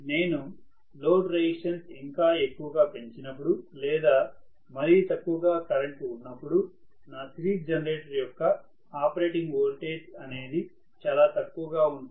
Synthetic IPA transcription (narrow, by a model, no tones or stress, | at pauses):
ne̞ːnu | lo̞ːɖɾeiʂɐnsiŋkaːe̞kːuʋɐɡaːpe̞ɲt͡ʃinɐpːuɽulɛːd̪aː | mɐɾit̪ɐkːuʋɐɡaːkɐɾɐɳʈunːɐpːuɽu | naːt̪ɾiːd͡ʒɐnɐɾeːʈɐɾjɔkːɐ | aːpɐɾe̞ːʈiŋɡʋoːlʈeːsɐne̞ːd̪i | t͡ʃaːlaːt̪ɐkːuʋɐɡaːund̪